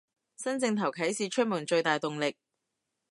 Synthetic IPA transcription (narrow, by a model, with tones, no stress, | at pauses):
sɐ˥nt͡sɪ˧ŋt̪ʰɐ˨˩wkʰɐ˨˥jsiː˨t͡ʃʰɵ˥t̚muː˨˩nt͡ʃɵ˧ɥt̪aː˨jt̪ʊ˨ŋlɪ˨k̚